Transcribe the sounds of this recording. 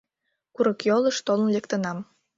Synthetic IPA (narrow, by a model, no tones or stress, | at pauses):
kuɾɤ̆kjolə̆ʃt̪olˠənlekt̪ə̆nɑm